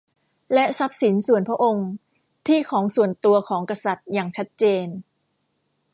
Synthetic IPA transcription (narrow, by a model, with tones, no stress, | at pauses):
lɛ˦˥ʔsa˦˥p̚si˩˦nsu˨˩ənpʰɾa˦˥ʔo˧ŋ | t̪ʰiː˥˩kʰɔː˩˦ŋsu˨˩ənt̪u˧ɐkʰɔː˩˦ŋka˧sa˨˩t̪̚jaː˨˩ŋt͡ɕʰa˦˥t̪̚t͡ɕeː˧n